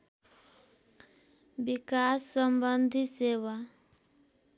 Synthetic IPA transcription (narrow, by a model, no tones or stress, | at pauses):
bikasːəmbənd̪ʱiseːʋa